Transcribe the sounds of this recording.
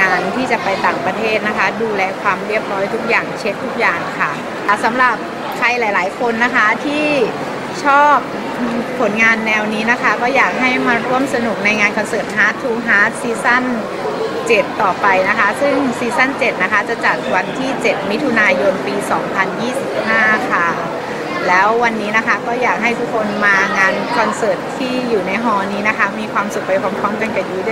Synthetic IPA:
aː˧nt̪ʰiː˥˩t͡ɕa˨˩pa˧jt̪aː˨˩ŋpɾa˧t̪ʰeː˥˩t̪̚na˦˥kʰa˦˥duː˧lɛː˧kʰwaː˧mɾi˥˩əp̚ɾɔː˦˥jt̪ʰu˦˥k̚jaː˨˩ŋt͡ɕʰe˦˥t̪̚ʰːu˦˥k̚jaː˨˩ŋkʰa˥˩ | sa˩˦mɾa˨˩p̚ | kʰa˧jlaː˨˩˦jlaː˩˦jkʰo˧nːa˦˥kʰa˦˥t̪ʰiː˥˩ | t͡ɕʰɔː˥˩p̚ː | pʰːo˨˩˦nŋaː˧nːɛː˧wniː˦˥na˦˥kʰa˦˥kɔː˥˩jaː˨˩k̚ɦa˥˩jmaː˧ɾu˥˩əmsa˧nu˨˩k̚na˧jŋaː˧nkʰɔ˧nsɤː˨˩p̪̚ɦaː˦˥t̪ʰːuː˧˥ɦaː˦˥t̪̚siː˧sa˥˩n | t͡ɕe˨˩t̪ːɔː˨˩pa˧jna˦˥kʰa˦˥sɯ˥˩ŋsiː˧sa˥˩nt͡ɕe˨˩t̪̚na˦˥kʰa˦˥t͡ɕa˨˩t͡ɕa˨˩t̪̚wa˧nt̪ʰiː˥˩t͡ɕe˨˩t̪̚mi˦˥t̪ʰu˧naː˧jo˧npiː˧sɔː˩˦ŋpʰa˧njiː˥˩si˨˩p̚haː˥˩kʰa˥˩ | lɛː˦˥wːa˧nːiː˦˥na˦˥kʰa˦˥kɔː˥˩jaː˨˩k̚ɦa˥˩jt̪ʰu˦˥kʰo˧nmaː˧ŋaː˧nkʰɔ˧nsɤː˨˩t̪ʰːiː˥˩juː˨˩na˧jɦɔː˧niː˦˥na˦˥kʰa˦˥miː˧kʰwaː˧msu˨˩k̚pa˧jkʰa˧mkʰɔ˧˥˩mka˧nka˨˩juː˦˥d

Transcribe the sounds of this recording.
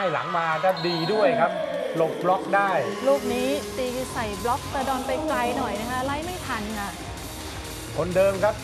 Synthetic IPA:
jla̰˩˦ŋmaː˧t̪a˦˧˩diː˧du˥˩əjkʰa˦˥p̚lo˨˩k̚blɔ˦˥k̚daː˥˩jluː˥˩k̚niː˦˥t̪iː˧sa˨˩jblɔ˦˥k̚t̪aː˧dɔː˧npa˧jkla˧jnɔ˨˩jna˦˥kʰa˦˥ʔla˧˥˩jma˥˩jt̪ʰa˧nka˧˩ʔ | kʰo˧ndɤː˧mkʰa˦˥p̚

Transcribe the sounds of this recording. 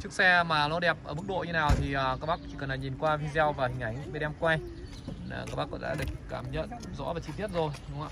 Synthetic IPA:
t͡ɕɨ˦˥ək̚sɛ˧maː˨˩lwɔː˧ɗɛ˨˩p̚ʔəː˧˩mɨ˦˥k̚ɗo̰˧˨ɲɨ˧naː˨˩wt̪ʰi˨˩ʔəː˨˩kaː˦˥k̚ɓa˦˥k̚t͡ɕi˧˩kə˨˩nlaː˨˩ɲi˨˩nkwaː˧vi˧zɛ˧wvaː˨˩hï˨˩ŋ̟a˨˩jŋ̟ɓe˧ɗɛ˧mkwaː˧˨˩ | ka˧˦˥ɓa˦˥kɔ̰˧˥ɗa̰ː˧˥ɗɨ˨˩ək̚kaː˨˩mɲə̰˧˨nzɔ̰˧˥vaː˨˩t͡ɕi˧t̪i˦˥ət̚zo˨˩jɗʊ˧˦wŋ͡mʔaː˧˨

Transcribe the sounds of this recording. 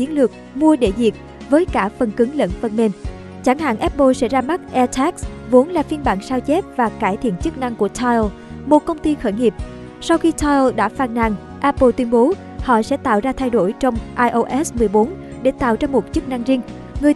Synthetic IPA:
t͡ɕi˨˦ənlɨ˨˩ək̚mu˧əɗe˧˩zi˨˩ək̚ | vəː˨˦jkaː˧˩fə˨˩nkɨ˨˦ŋlə̰˧˥nfə˨˩nme˨˩n | t͡ɕa˧˩ŋɦa̰ː˧˨nʔɛ˦˥p̚ɓo˧sɛ̰˧˥zaː˧ma˦˥t̚ʔɛ˧t̪ʰa˦˥k̚svo˨˦nlaː˨˩fi˧ənɓa̰ː˧˩ŋsaː˧wt͡ɕɛ˦˥p̚vaː˨˩kaː˧˩jt̪ʰḭ˧˨ənt͡ɕɨ˦˥k̚na˧ŋku˧˩ət̪ʰɔ˧jl | mo˨˩t̚kə˧wŋ͡mt̪i˧xəː˧˩jŋi˨˩əp̚ | sa˧wxi˧t̪ʰɔ˧jlɗa̰ː˧˥faː˧˩nna̰˧˨˩ŋ | ʔaː˧po˧t̪wi˧ənɓo˨˦ | hɔ̰˧˨sɛ̰˧˥t̪a̰ː˧˨wzaː˧t̪ʰa˧jɗo˧˩jt͡ɕɔ˧wŋ͡mʔaː˧jʔo˧ʔɛ˦˥smɨ˨˩əjɓo˨˦nɗe˧˩t̪a̰ː˧˨wzaː˧mo˨˩t̚t͡ɕɨ˦˥k̚na˧ŋzi˧ŋ | ŋɨ˨˩ə

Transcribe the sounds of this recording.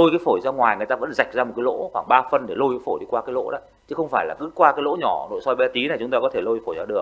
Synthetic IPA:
o˧jkaː˨˦jfo˧˩jzaː˧ŋwaː˨˩jŋ˨əjt̪aː˧və̰˧˥nza˨˩jk̟̚zaː˧mo˨˩t̚ka˨˦lo̰˧˥xwaː˧˩ŋɓaː˧fə˧nɗe˧˩lo˧jkaː˨˦fo˧˩jɗi˧kwaː˧kaː˨˦jlo̰˧˥ɗə̰˧˦ | t͡ɕɨ˨˦xə˧wŋ͡mfaː˧˩jlaː˨˩kɨ˨˦kwaː˧kaː˨˦jlo̰˧˥ɲɔ˧˩no̰˧˨jsɔ˧jɓa˧t̪i˨˦na˨˩t͡ɕʊ˨˦ŋ͡mt̪aː˧kɔ˨˦t̪ʰe˧˩lo˧jfo˧˩jzaː˧ɗɨ˨˩ək̚

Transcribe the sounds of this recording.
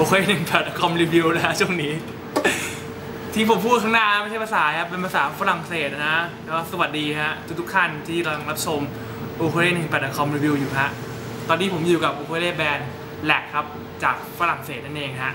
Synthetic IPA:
ʔoː˧kʰeː˧˥nɯ˨˩ŋpɛː˨˩t̪̚ʔa˧kʰɔ˧mɾiː˧wi˧wna˦˥kʰa˦˥t͡ɕʰu˥˩əŋniː˦˥ | t̪ʰiː˧˩pʰo˩˦mpʰuː˥˩kʰa˦˥ŋnaː˥˩na˦ma˥˩jt͡ɕʰa˥˩pa˧saː˩˦ka˦˥pe˧npʰa˧saː˩˦˧fa˧ɾa˨˩ŋseː˨˩t̪̚ʔa˧na˦˥ʔlɛː˦˥a˥˩sa˧wa˨˩t̪̚diː˧ka˦˥ʔt̪ʰu˦˩t̪ʰu˦˥kt̪ʰa˥˩nt̪ʰiː˥˩ɾa˧ŋɾa˦˥p̚t͡ɕʰo˧m | ʔoː˧kʰo˧leː˥˩nɯ˨˩ŋpɛː˨˩a˧˩kʰɔ˧mɾiː˧wi˧wjuː˨˩ka˦˥ʔ | t̪ɔː˧nːiː˧pʰo˩˦mjuː˨˩ka˨˩p̚ʔoː˧kʰeː˧leː˥˩bɛː˧n | lɛ˨˩kʰːa˦˥p̚ | t͡ɕaː˨˩k̚fa˧ɾa˨˩ŋseː˨˩na˥˩ʔeː˧ŋɦa˦˥ʔ

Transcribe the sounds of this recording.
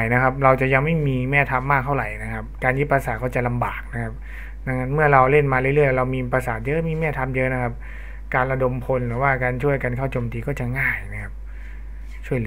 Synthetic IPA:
jna˦˥kʰa˦˥p̚ɾa˧wt͡ɕa˨˩ʔja˧ŋma˥˩jmiː˧mɛː˥˩t̪ʰa˧mːaː˥˩k̚t̪ʰa˥˩wɾa˨˩jna˦˥kʰa˦˥p̚kaː˧nji˦˥pːɾa˧saː˨˩˦t̚kɔː˥˩t͡ɕa˨˩la˧mba̰ː˨˩k̚na˦˥kʰa˦˥p̚ | na˧˥˩ŋa˦˥nmɯ˥˩ɐɾa˧wle˥˩nmaː˧ɾɯ˥˩lɯ˥˩əjɾa˧wmiː˧pɾa˧saː˨˦t̪̚jɤ˦˥miː˧mɛː˥˩t̪ʰa˧mjɤ˦˥na˦˥kʰa˦˥p̚ | kaː˧nɾa˧do˧mpʰo˧nlɯː˩˦waː˥˩kaː˧nt͡ɕʰu˥˩əjka˧nkʰa˥˩wt͡ɕoː˧mt̪iː˧kɔː˥˩t͡ɕa˨˩ŋaː˥˩jna˦˥kʰa˦˥p̚ | t͡ɕʰu˥˩əjlɯ˩˦

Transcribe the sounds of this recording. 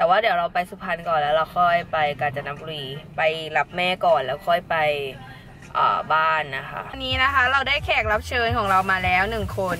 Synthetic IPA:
t̪ɛː˨˩waː˥˩d̪i˩˦wɾa˧wpa˧jsu˧˩pʰa˧nkɔː˨˩nlɛː˦˥wɾa˧wkʰɔː˥˩jpa˧jkaː˧nt͡ɕa˨˧˩na˦˥mbu˧iː˧˩pa˧jla˦˥p̚mɛː˥˩kɔː˨˩nlɛː˦˥wkʰɔ˥˩jpa˧j | ʔa̰ː˨˩baː˥˩nːa˦˥kʰa̰˦˥ʔnːiː˦˥na˦˥kʰa˦˥ɾa˧wdaː˥˩jkʰɛː˨˩k̚la˦˥p̚t͡ɕʰɤː˧nkʰɔː˩˦ŋɾa˧wmaː˧lɛː˦˥wnɯ˨˩ŋkʰo˧n

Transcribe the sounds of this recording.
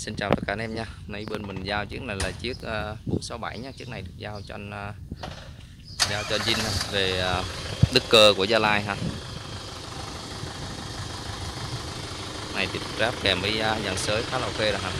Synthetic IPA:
si˧nt͡ɕaː˨˩wt̪ə˦˥t̚kaː˧nʔɛ˧mɲaː˧nə˨˧jɓe˧nmï˨˩ŋ̟zaː˧wt͡ɕi˦˥ək̚na˨˩jlaː˨˩t͡ɕi˦˥ək̚aː˧ɓṵ˨˧˩ənsa˨˦wɓa˧˩jɲaː˧˦t͡ɕɨ˦˥ək̚na˨˩jɗɨ˨˩ək̚zaː˧wt͡ɕɔ˧ʔnː˧ | zaː˧wt͡ɕɔ˧nzï˧ŋ̟haː˧ve˨˩a˨˩ɗɨ˦˥kːəː˧˩ku˧˩əzaː˧laː˧jɦaː˧ | na˨˩jt̪ḭ˨˩zaː˦˥p̚kɛ˨˩mʔi˨˧jɲa˨˩nsəː˨˦jxaː˦lə˨˧˩wxe˧ɾo˧˩ɦaː˧˩

